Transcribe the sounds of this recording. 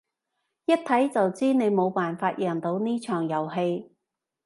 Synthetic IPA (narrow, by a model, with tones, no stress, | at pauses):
jɐ˥t̚t̪ʰɐ˨˥jt͡sɐ˨wt͡siː˥ne˨˧jmo˨˧wpaː˨nfaː˧t̚jʔɛ˨˩nt̪o˨˧wniː˥t͡ʃʰœː˨˩ŋjɐ˨˩wɦe˧j